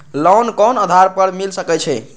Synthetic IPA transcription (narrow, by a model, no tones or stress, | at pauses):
lɔnkɔnəd̪ʱaɾpəɾmilsəkɛt͡ʃʰɛ